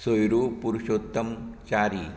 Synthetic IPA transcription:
sojɾupuɾuɕoːt̪ːəmt͡ɕaɾi

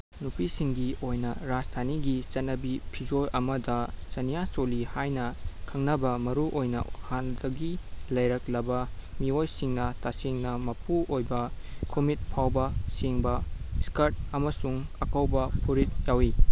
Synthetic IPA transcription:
nupisiŋɡiojnɐɾad͡ʒtʰaniɡit͡ʃɐnɐbipʰid͡ʒojʔɐmɐdɐt͡ʃɐnijat͡ʃolihajnɐkʰɐŋnɐbɐmɐɾuʔojnɐ̰handɐɡilɐjɾɐklɐbɐmiojsiŋnɐtasiŋnɐmɐpuʔojbɐkʰumit̚pʰawbɐseŋbɐskɐɾt̚ɐmɐsuŋɐkɐwbɐpʰuɾit̚jawi

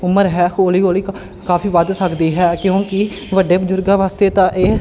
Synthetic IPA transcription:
ʊməɾɦɛːkoːliːoːliː | kaːfʰiːʋəd̪səkd̪iːɦɛːkjõːkɪ | ʋəɖːeːbəd͡ʒʊɾɡãːʋaːst̪eːt̪ãːʔeː

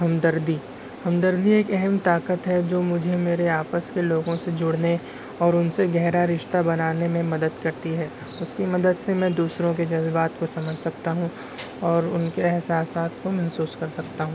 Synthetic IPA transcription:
ɦɐmd̪əɾd̪i | hɐmd̪əɾd̪ieːkɛɦɛmt̪aːkət̪ɦɛd͡ʒoːmʊd͡ʒʱemeːɾeaːpəskeloːɡõsed͡ʒʊɽne | ɔːɾʊnseɡɛɦɾaɾɪʃt̪abɐnaːnemẽmɐd̪əd̪kɐɾt̪iɦɛː | ʊskimɐd̪əd̪semɛ̃d̪uːsɾõked͡ʒɐzbaːt̪kosɐməd͡ʒʱsɐkt̪aɦũ | ɔːɾʊ̰nkeɛɦsaːsaːt̪komɐɦsuːskɐɾsɐkt̪aɦũː

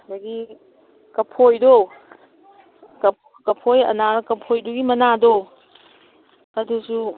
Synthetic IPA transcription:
daɡi | kɐpʰojdo | kɐ | kɐpʰojɐ̰naɾkɐpʰojduɡimɐnado | ɐdusu

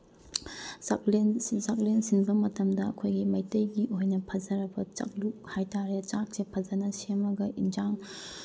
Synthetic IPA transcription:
saklensak̚lensiŋbɐmɐtɐmdɐɐkʰojɡimɐjtɐjɡiʔojnɐpʰɐd͡ʒɐɾɐbɐt͡ʃɐ̰k̚luk̚hajtaɾet͡ʃak̚sepʰɐd͡ʒɐnɐsemɐɡɐʔind͡ʒaŋ

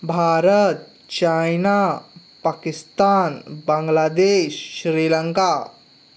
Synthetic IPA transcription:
bʱaɾət̪ | t͡ɕajna | pakist̪anbaŋɡlad̪eɕɕɾiləŋka

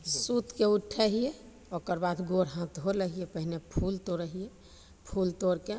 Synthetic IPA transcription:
sut̪keuʈʰːəɦije | okəɾbad̪ɡoɽɦãt̪oləɦijepəɦnepʰult̪oɾəɦije | pʰult̪oɾke

